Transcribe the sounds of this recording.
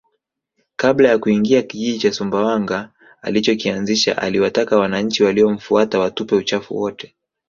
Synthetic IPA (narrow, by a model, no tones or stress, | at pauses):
kablajakuiŋɡiakiʄiʄit͡ʃasumbawaŋɡa̰ː | lit͡ʃɔkianziʃa̰ʔa̰liwatakawanaɲ̩t͡ʃiwaliɔm̩fuatawatupɛut͡ʃafṵwɔtɛ̥